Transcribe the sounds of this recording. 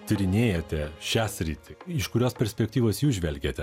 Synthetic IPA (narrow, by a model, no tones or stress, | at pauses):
t̪ʲɪɾʲɪnʲeːjɛt̪ʲɛʃʲæːsʲɾʲiːt̪ʲɪɪʃkʊɾʲoːspʲɛɾʲsʲpʲɛk̚ʲt̪ʲiːʋoːsjuːsʒʲʋʲɛlʲɡʲeːt̪ʲɛ